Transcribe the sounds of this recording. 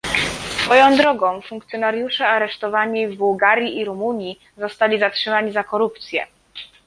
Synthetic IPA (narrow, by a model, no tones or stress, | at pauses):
sfɔjɔ̃w̃d̪ɾɔɡɔ̃w̃fuŋkt̪sʲjɔnaɾjuʂɛaɾɛʂt̪ɔvaɲivbuwɡaɾʲjiʔiɾumuɲji | zɔst̪alʲizatʂɘmaɲizakɔɾup̚t̪sʲjɛ̰